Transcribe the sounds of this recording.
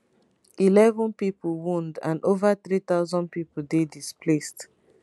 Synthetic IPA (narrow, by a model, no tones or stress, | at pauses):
ilɛvɔ̃npipl̩wũndã̰novat̪ɹit̪aʊzɔ̃n̚pipldedispʰlest